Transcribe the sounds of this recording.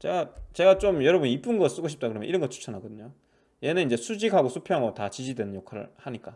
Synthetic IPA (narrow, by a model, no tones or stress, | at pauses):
t͡ɕeɡat͡ɕe̞ɡat͡ɕ͈omjʌɾʌbunip͈ɯnɡʌs͈ɯɡoɕʰip̚t͈akɯɾʌjʌ̰iɾʌnɡʌt͡ɕʰu̥t͡ɕʰʌnɦaɡʌdɯɲo | je̞neind͡ʑe̞sʰud͡ʑikɦaɡosʰupʰjoɦaŋʌtat͡ɕid͡ʑidwe̞nɯnjokʰaɾɯ̰ɭhaɲik͈a